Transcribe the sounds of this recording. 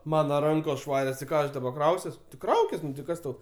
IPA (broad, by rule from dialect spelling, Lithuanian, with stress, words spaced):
ˈmɑːnɐ ˈrɐŋkoːs ˈʃʋɑːrʲoːs tʲɪ ˈkɑː ɐʃ dɐˈbɐ ˈkrɐʊsʲuɔs tʲɪ ˈkrɐʊkʲɪs nʊ tʲɪ ˈkɐs tɐʊ